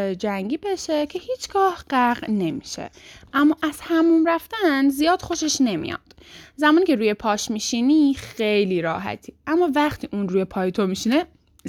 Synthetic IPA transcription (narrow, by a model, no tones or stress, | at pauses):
d͡ʒæŋɟiːbe̞ʃecʰe̞hiːt͡ʃʰɡ̥ɒːhɢ̥æɣne̞mḭʃḛʔæmːɒːʔæz̥hæmumɾæft̪ænzijɒːd̪̥xo̞ʃe̞ʃne̞mḭjɒ̰d̪̥ | zæmɒːnicʰe̞ɾuːje̞pʰɒːʃmiʃiːnixejliːɾɒːɦæ̰t̪ʰiːæmːɒːvæχt̪ʰiːʔuːnɾuːjepʰɒːjet̪ʰomiʃine